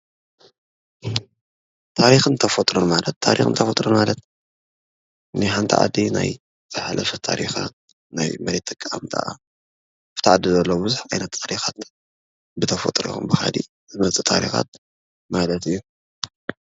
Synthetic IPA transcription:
t̪ʰaɾixɨnt̪ʰɐfot̪ʼɾonmalɐt̪ʰːaɾixɨnt̪ʰɐfot̪ʼɾonmalɐt̪ | nɨħant̪ʰiʕa̰d̪ina̰j | z̥ɨħalɐfɐt̪ʰa̰ɾʔḭxa̰ | najmɐɾet̪ʰːɨkʼːaa̰mt̪ʰa̰ʔa̰ | aft̪ʰaʕad̪izɐlːobɨzuħa̰jnɐt̪ʰːaɾixat̪ | bɨt̪ʰɐfo̰t̪ʼɾḭṵmbɨxa̰d̪ḭ | zɨmɐt͡sʼɨt̪ʰa̰ɾḭxa̰t̪̚ | malɐt̪ɨjːu

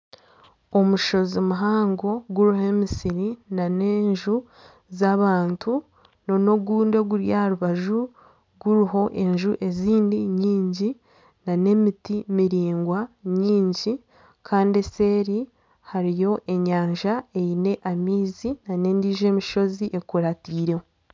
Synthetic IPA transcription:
o̞muʃo̞zimuɦaːŋɡo̞ɡuɾiɦe̞misiɾinaneːɲʒu | zaβaːntʰu | no̞no̞ɡuːnde̞ɡuɾjahaɾuβaʒu | ɡuɾiɦo̞ʔe̞ɲʒuʔe̞ziːndiɲiːɲɟi | nane̞mitimiɾiːŋɡwaɲiːɲɟi | kʰaːndie̞se̞ːɾi | haɾijo̞ʔe̞ɲaːɲʒae̞ine̞ʔamiːzinane̞ːndiːʒe̞ːmiʃo̞ziʔe̞kuɾatiːɾewo

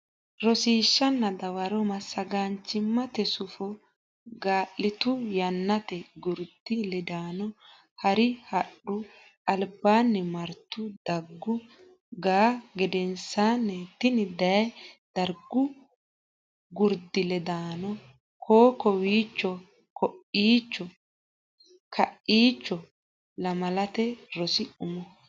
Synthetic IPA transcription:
ɾɔsiːʃːɐnːɐd̪ɐwɐɾɔmɐsːɐɡaːnt͡ʃːɪmːɐt̪ɛsʊfɔ | ɡaːʔːɪt̪ʊjɐnːɐt̪ɛɡʊɾd̪̥ɪlɛd̪aːnɔ | hɐɾɪhɐɗʊ | ɐlbaːnːɛmɐɾt̪ːʊd̪ɐɡːʊ | ɡaːɡɛd̪ɛnsanːɛt̪ːɪnɪd̪ɐjd̪ɐɾɡːʊ | ɡʊɾd̪ɪlɛd̪aːnɔ | kʰoːkɔwiːt͡ʃːɔ | kʰɔʔiːt͡ʃːɔ | kʰɐʔiːt͡ʃːɔ | lɐmɐlɐt̪ɛɾɔsɪʔʊmɔ

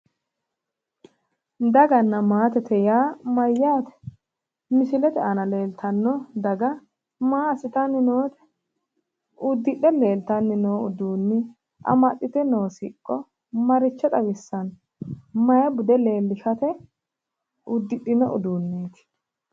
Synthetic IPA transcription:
d̪ɐɡɐnːɐmaːt̪ɛt̪ɛjaːmɐjːaːt̪ɛ̥ | mɪsɪlɛt̪ɛɐnɐle̞ːlt̪ɐnːɔd̪ɐɡɐ | maːɐsɪt̪ɐnːɪnoːt̪ɛ̥ | ʊd̪ːɪɗɛle̞ːlt̪ɐnːɪnoːʊd̪uːnːɪ | ʔɐ̰mɐt̪ʼːɪt̪ɛnoːsḭːkʼːɔ | mɐɾɪt͡ʃːɛt̪ʼɐwɪsːɐn | mɐjɐbʊd̪ɛle̞ːlːɪʃɐt̪ɛ | ʊd̪ːɪɗɪnɔʔʊ̰d̪uːnːeːt̪ɪ̥

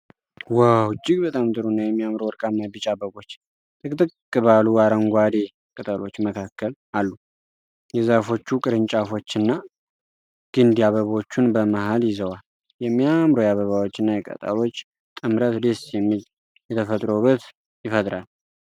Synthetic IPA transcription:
wawt͡ʃʼːɪɡbət̪ʼamt̪ʼɨɾunːajɛmːijamɾowɔɾkʼamːabɨt͡ʃʼabəβo̞t͡ʃː | t̪ɨkʼt̪ʼɨkkʼːɨβaluaɾəŋɡʷad̪e | kʼət̪ʼalo̞t͡ʃːməkʰakːəl | alːu | jɛzafo̞t͡ʃːukʼɨɾɨnt͡ʃʼafo̞t͡ʃːɨnːa | ɡ̥ɨnd̪iaβəβo̞t͡ʃːunbəmahaljɪzəwal | jɛmːijamɾojaβəβawot͡ʃːɪnːajɛkʼə̰t̪ʼə̰lo̞t͡ʃː | t̪ʼɨmɾət̪d̪esjɛmːil | jɛt̪ʰəfət̪ʼɾobət̪ | jɪfət̪ʼɾal

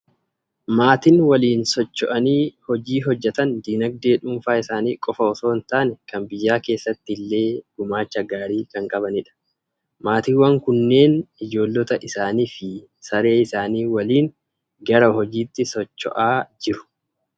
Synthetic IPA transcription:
maːt̪ɪnwɐliːnsɔt͡ʃːɔʔɐniːhɔd͡ʒiːɦɔd͡ʒːɛt̪ɐnd̪iːnɐɡ̚d̪e̞ːᶑʊmfaːɪsaːnḭːkʼɔfɐɔso̞ːnt̪aːnɛkɐnbɪjːaːke̞ːsːɐt̪ːɪlːe̞ːɡ̥ʊmaːt͡ʃːɐɡaːɾiːkɐŋkʼɐbɐnɪᶑɐ̥ | maːt̪ɪwɐŋkʊnːe̞ːnɪd͡ʒo̞ːlːɔt̪ɐʔɪsaːniːfɪ | sɐɾe̞ːɪsaːniːwɐliːŋ | ɡɐɾɐhɔd͡ʒiːt̪ːɪsɔt͡ʃːɔ̰ʔaːd͡ʒɪɾʊ̥

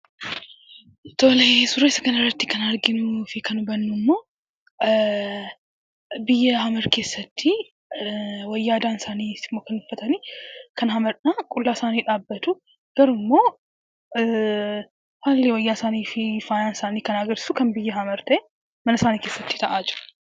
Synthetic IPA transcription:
t̪o̞ːlesʊɾeɪsɐkɐnɐrːɐt̪ːɪkɐnɐɾɡɪnufɪkɐnʊbɐnːʊmːo̞ː | bɪjːɐɦɐmɐɾke̞ːsːɐt̪ʰːɪ | wɐjːaːd̪aːnsaːniːsɪmːoːkɐnʊfɐt̪ɐniːkʰɐnhɐmɐɾnaːkʼʊlːaːsaːniːᶑaːbːɐt̪ʊ | ɡ̥ɐɾʊmːo̞ː | haːlːɪwɐjːaːsaːniːfɪfaːjaːnsaːniːkɐnaːɡɐɾsʊkɐnbɪjːɐɦɐmɐɾt̪ɐʔe | mɐnɐsaːniːke̞ːsːɐt̪ːɪ̥t̪ʰɐʔaːd͡ʒɪɾɐ̥

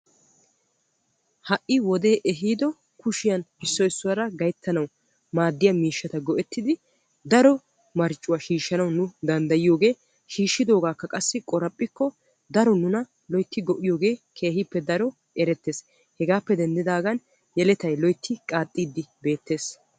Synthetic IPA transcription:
hɐʔɪwɔd̪e̞ːʔɛɦiːd̪ɔ | kʊʃɪjɐnɪsːɔɪsːʊwɐɾɐɡɐjt̪ʰːɐnɐw | maːd̪ːɪjɐmiːʃːɐt̪ɐɡɔʔɛt̪ːɪd̪ɪ | d̪ɐɾɔ | mɐɾt͡ʃʼːʊwaʃiːʃːɐnɐwnʊd̪ɐnd̪ɐjɪjo̞ːɡe̞ː | ʃiːʃːɪd̪o̞ːɡaːkːɐkʼɐsːɪkʼɔɾɐpʼːɪkːɔ | d̪ɐɾɔnʊnɐ | lɔjt̪ːɪɡɔʔɪjo̞ːɡe̞ːkʰe̞ːɦɪpːɛd̪ɐɾɔ | ɛɾɛt̪ːe̞ːs | hɛɡaːpːɛd̪ɛnd̪ɪd̪aːɡɐn | jɛlɛt̪ɐjlɔjt̪ʰːɪkʼaːt̪ʼːiːd̪ːɪbe̞ːt̪ːe̞ːs

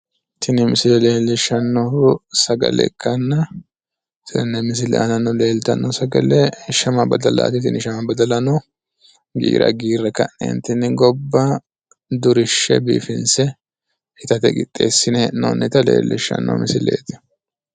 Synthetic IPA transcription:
t̪ʰɪnɪmɪsɪlɛle̞ːlːɪʃːɐnːɔhʊsɐɡɐ̰lɛ̰kːɐnːɐ | t̪ʰɛnːɛmɪs̬ɪlɛ̰ʔɐnɐnːɔle̞ːlt̪ɐnːɔsɐɡɐlɛʃɐmɐbɐd̪ɐla̰t̪ɪt̪ɪnɪʃɐmɐbɐd̪ɐlɐnɔ | ɡḭːɾɐ̰ɡiːrːɛkɐnːɛ̰nt̪ɪnɪɡɔbːɐ | d̪ʊɾɪʃːɛ̰biːfɪnsɛ | ɪt̪ɐt̪ɛɡʼɪt̪ʼːe̞̰ːsːɪnɛnɔnːɛt̪ɐle̞̰ːlːɪ̰ʃːɐ̰nːɔ̰mɪsɪlḛːt̪ɪ̥

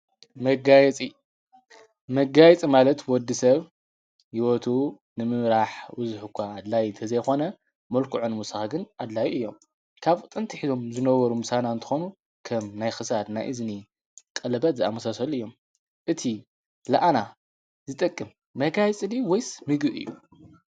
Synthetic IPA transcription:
mɐɡajɛt͡sʼi | mɐɡajt͡sʼimalɐt̪wɔd̪ːisɐβ | jiwot̪ʰu | nɨmɨmɾaħbɨzħukʷʰːaːd̪lajt̪ʰɐzɐjxo̞nɐ | mɐlkʰuʕunmusɨxaɡɨnʔad̪lajʔɨjːo̞m | kʰaβʼɨt̪ʼɨnt̪ʰiħizo̞mzɨnɐβɐɾumɨsanaɨnt̪ʰɨ̥xonu | kʰɐmnajxɨsad̪na̰jʔɨzni | kʼɐlɐbɐt̪zɨa̰mɐsasɐlɨjːo̞m | ʔɨt̪ʰi | laʔana | zɨt̪ʼɐkʼːɨmː | ɐɡajt͡sʼɨliwɔjsmɨɡbɨʔɨ̰jːu

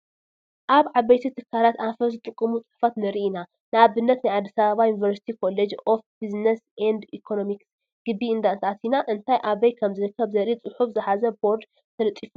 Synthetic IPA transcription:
ʔaβʕaβɐjt̪ʰit̪ʰɨkʰːalat̪afɐzɨt̪ʼɨkʼːɨmut͡sʼɨ̥ħfat̪nɐɾiʔina | nɨaβɨnːɐt̪najʕad̪ːisaβaβajunivɐɾsi̥t̪ʰikʰo̞led͡ʒofbiznɐsʔand̪ikʰono̞miks | ɡ̥ɨbːiɨnd̪ant̪ʰat̪ʰinaʔɨnt̪ʰajʔaβɐjkʰɐmzɨɾɨkʰːɐβzɐɾit͡sʼɨħufzɨħazɐbo̞ɾd̪ | t̪ʰɐlɨt̪ʼːifu

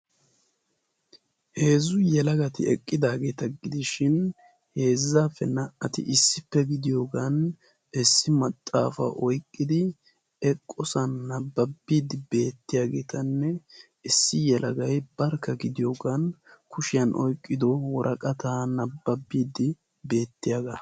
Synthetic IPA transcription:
he̞ːzʊjɛlɐɡɐt̪ɪ̰ɛ̰kʼːɪd̪aːɡe̞ːt̪ɐɡɪd̪ɪʃɪn | he̞ːzːaːfːɛnɐʔɐt̪ɪ̰ʔɪsːɪpːɛɡɪd̪ɪjo̞ːɡan | ɪsːɪmɐt̪ʼːa̰ːfɐ̰ʔɔjkʼːɪd̪ɪ | ɛkʼːɔsɐnːɐbːɐbːiːd̪ɪbe̞ːt̪ːɪjaːɡeːt̪ʰɐnːɛ | ɪsːɪjɛlʔɐɡɐjbɐɾkːɐɡɪd̪ɪjo̞ːɡaːnkʰʊʃɪjɐnʔɔjkʼːɪd̪ɔwɔɾʔɐkʼɐt̪aːnɐbːɐbːiːd̪ɪ | be̞ːt̪ːɪjaːɡɐ

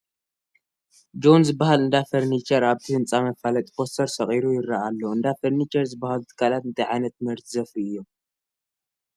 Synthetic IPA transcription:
d͡ʒo̞nzɨbːahalɨnd̪afɐɾnit͡ʃʰɐɾaβt̪ʰihɨnt͡sʼamɐfalɐt̪ʼi̥bo̞st̪ʰɐɾsɐχʼiɾujɪɾːaʔalːɐɨnd̪afɐɾnit͡ʃʰɐɾzɨbːahalut̪ʰɨ̥kʰːalat̪̚ɨnt̪ʰɐjʕajnɐt̪̚mɨɾt̪ʰzɐfiɨjːo̞m

